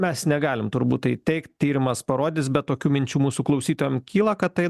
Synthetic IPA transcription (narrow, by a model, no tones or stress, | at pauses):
mʲɛsnʲɛɡɑːlʲɪmt̪ʊɾbuːt̪ɐɪt̪ʲɛɪktʲt̪ʲiːɾʲɪmɐspɐɾoːd̪ʲɪsbʲɛt̪̚t̪oːkʲuːmʲɪnʲt͡ʃʲuːmuːsuklˠɐʊsʲiːt̪oːjɛmkʲʰiːlˠɐkɐt̪t̪ɐɪ